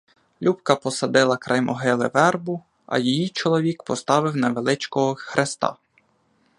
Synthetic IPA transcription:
lʲʔupkɐpɔsɐd̪ɪlˠɐkɾʔɐjmʔɔɦɪlˠɪ̰ʋɛrbʊ | ɐ̰jijit͡ʃɔlˠɔʋʲikpɔst̪ɑʋɪwnɐʋelˠɪt͡ʃkɔɦɔxɾʔest̪ɑ̰

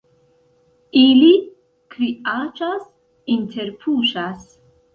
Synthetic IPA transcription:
ili | kɾiat͡ʃas | intʰe̞ɾpʰuʃas

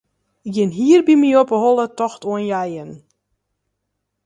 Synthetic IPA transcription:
ɪkjɪnɦiərbimiopəɦɔlˠətɔxtuənjajən

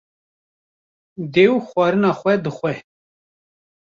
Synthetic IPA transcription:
d̪eːwxʷwɑːɾɨnɑːxʷɛd̪ɨxʷɛ

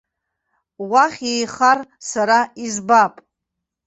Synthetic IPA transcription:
waχʲejχarsaɾaizbapʼ

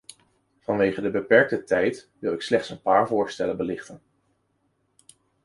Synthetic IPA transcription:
v̥ɑnʋejχədəbəpɛɹk̚tətɛjtʋɪlˠɪkslɛχtsənpaːɹvʊːɹstɛlənbəlɪχtən

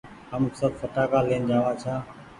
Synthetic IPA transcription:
ɦəmsəb̪fəʈaːkaːleːnd͡ʒaːʋaːt͡ʃʰaː

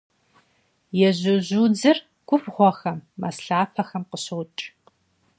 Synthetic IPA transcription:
jɛʑʊʑuːd͡zɨr | ɡ̥ʷʊfʁʷɔxɐmːɐ̰sɬaːpʰɐxɐmqəɕɐwt͡ʃʼ

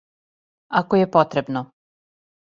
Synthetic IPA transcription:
akojepot̪ɾebno

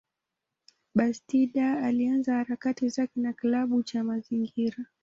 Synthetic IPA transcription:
ɓastiɗaːlianzahaɾakatizakɛnaklaɓut͡ʃamaziŋɡiɾa

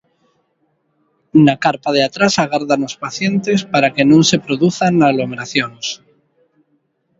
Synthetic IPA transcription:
nakaɾpað̞eat̪ɾasaɣaɾðanospaθje̞nt̪e̞spaɾakenõnse̞pɾoðuθanaɣlomeɾaθjons

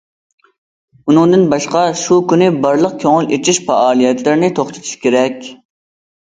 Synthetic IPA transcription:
unɨŋd̪ɪnbɑʃqɑʃukʲynɪbɑɾlˠəq̚kʲʰøŋɪlet͡ʃʰiʃfɑɑːlˠijɛt̪lɪɾɪnɪt̪ʰoχt̪ʰɨ̥t̪ʰu̥ʃkʲʰeɾɛkʲ

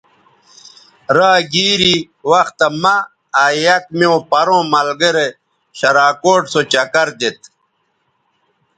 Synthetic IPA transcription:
ɾaːɡiːɾi | wɐxt̪ɐmɐ | ajɐkmiõpɐɾõːmɐlɡeɾe | ɕɐɾaːkoːʈsot͡ɕɐkɐɾd̪et̪

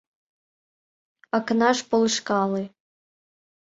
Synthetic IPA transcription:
ɑknɑʂpolˠʃkɑlˠɨ

